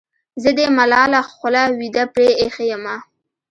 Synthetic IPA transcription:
zəd̪emalɑːlaxʷʊlawid̪apɾeːxejəma

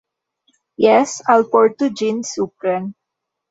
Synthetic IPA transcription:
jɛsaɪlpɔɹt̪ud͡ʒinsupɾə̃n

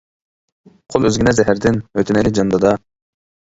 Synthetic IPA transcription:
qʰolˠøzɡʲinɛzɛɦæɾd̪ɪnøt̪ʰɪnɛlɪd͡ʒɑnd̪ɑd̪ɑ

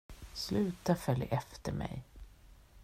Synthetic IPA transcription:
slʉ̟ːt̪afœljʔɛft̪əɾmɛ̰j

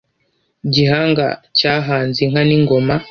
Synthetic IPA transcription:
ɟiɦaːŋɡa̰caɦaːnziŋ̥aniŋɡoma

